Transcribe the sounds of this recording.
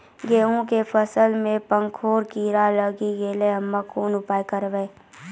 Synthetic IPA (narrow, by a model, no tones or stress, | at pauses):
ɡeːõkepʰəsəlmẽpə̃ŋkʰoːɾkiɾaləɡiɡeːleɦəmːakoːnʊpaːikəɾʋeː